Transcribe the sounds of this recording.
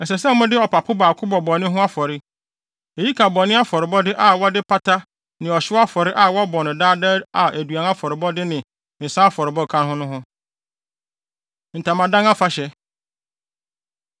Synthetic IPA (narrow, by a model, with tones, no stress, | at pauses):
ɛ˨s̬ɛ˨s̬ɛ˦mʊ̃˦dɪ˦ɔ˨pa˨pʰʊ˦baː˨kʰʊ˦bɔ˨bɔ˨nɪ̃˦ɦʊ̃˦a˦fɔ˨ɾɪ˦ | e˨ji˦kʰa˨bɔ˨nɪ̃˦a˦fɔ˨ɾɪ˨bɔ˦dɪ˦ʔa˨wɔ˦dɪ˦pʰa˦ta˦ | nɪ̃˨ɔ˨ɕɪ˦a˦fɔ˨ɾɪ˦ʔa˨wɔ˦bɔ˨nɪ̃˨daː˦da˦a˨ʔæ˨du˨a˨na˦fɔ˨ɾɪ˨bɔ˦dɪ˦nɪ̃˨ | n̩˨sa˦a˦fɔ˨ɾɪ˨bɔ˦˨kʰã˦nhʊ̃˦nʊ̃˦ɦʊ̃˦ | n̩˨tʰã˨mã˨dã˦ŋa˦fa˦ɕɛ˨˦